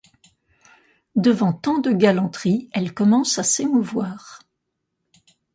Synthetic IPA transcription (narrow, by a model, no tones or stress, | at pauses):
d̪əvɑ̃t̪ɑ̃d̪əɡalɑ̃t̪χiɛlkɔmɑ̃sasemuvwaːʁ